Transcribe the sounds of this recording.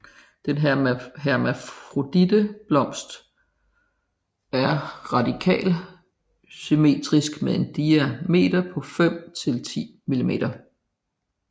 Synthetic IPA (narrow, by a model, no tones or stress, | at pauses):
d̥enɦæɐmæfʁo̝d̥idəb̥lɒ̽m̰sd̥ | æɐʁɑ̈dikʰɛ̰ːl | syme̝̰ːd̥ʁisɡ̥meðˠe̝nd̥iæme̝̰ːd̥ɐpʰɒ̽fem̰t͡sʰe̝lt͡sʰḭːmilime̝̰ːɾ̥ɐ